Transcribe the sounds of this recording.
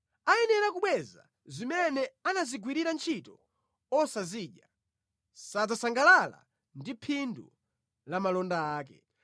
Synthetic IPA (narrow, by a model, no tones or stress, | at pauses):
ajɛnɛɾakuɓwɛza | zimɛnɛanaziɡwiɾiɾant͡ʃʰitɔ | ɔsaziːɗja | sad͡zasaŋɡalala̰ | ndipʰindṵ | lamalɔndaaːkɛ̰